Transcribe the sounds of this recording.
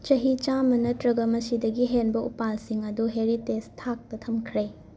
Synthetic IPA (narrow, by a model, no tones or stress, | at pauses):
t͡ʃɐɦit͡ʃamɐnɐtɾɐɡɐmɐsidɐɡiɦenbɐupalsiŋɐduɦeɾitestʰak̚tɐtʰɐmkʰɾe